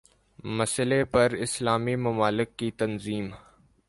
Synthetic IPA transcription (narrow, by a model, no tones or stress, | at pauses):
mɐsəlepɐɾɪslaːmimɐmaːlɪkːit̪ɐnziːm